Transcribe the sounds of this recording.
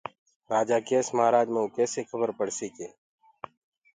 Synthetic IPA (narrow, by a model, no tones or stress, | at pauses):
ɾaːd͡ʒaːkeːsməɦaːɾaːd͡ʒmẽuːkɛːsekʰəbəɾpəɽ̤siːkeː